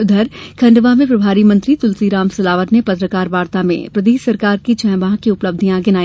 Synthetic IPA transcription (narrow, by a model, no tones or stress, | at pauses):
ʊd̪ʱəɾkʰɐ̃ɳɖʋamẽpɾɐbʱaːɾimɐ̃nt̪ɾit̪ʊlsiɾaːmsɐlaːʋəɾnepɐt̪ɾəkaːɾʋaːɾt̪amḛ̃pɾɐd̪eːʃsɐɾkaːɾkit͡ʃɛ̃ːʋãɦkiʊpləb̚d̪ʱijãɡɪnaːi